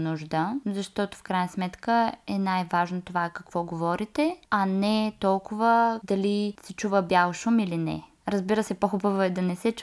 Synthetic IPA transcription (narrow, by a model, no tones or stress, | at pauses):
nuʒd̪əzɐʃt̪ɔt̪ʊ̥fkɾajnəsmɛt̪kəɛnajvaʒnot̪ovakɐkvɔɡovɔɾit̪ɛɐnɛt̪ɔlˠkʊvəd̪ɐlisɛt͡ʃuvəbʲalˠʃumilinɛ̰ | ɾəzbiɾəsɛpoxubəvoɛd̪ɐnɛsɛt͡ʃ